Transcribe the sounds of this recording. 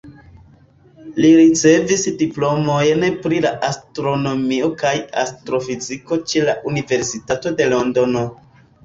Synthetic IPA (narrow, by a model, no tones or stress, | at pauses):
liɾit͡se̞visdiplo̞mo̞jnpɾilaʔastɾo̞no̞mio̞kaja̰stɾo̞fiziko̞t͡ʃe̞laʔunive̞ɾsitato̞de̞lo̞ndo̞no̞